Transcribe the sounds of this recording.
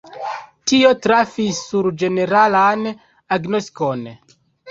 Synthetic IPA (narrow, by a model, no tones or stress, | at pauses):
tio̞tɾafisːuɾd͡ʒe̞ne̞ɾalan | aɡnostko̞n